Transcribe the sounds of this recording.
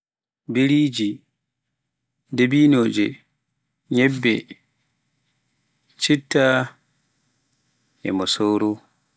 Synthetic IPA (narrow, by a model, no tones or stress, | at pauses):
biɾiːd͡ʒi | debiːnoːd͡ʒɛ | ɲɛbːɛ | t͡ʃitːa | ʔɛ̰mɔsoːɾo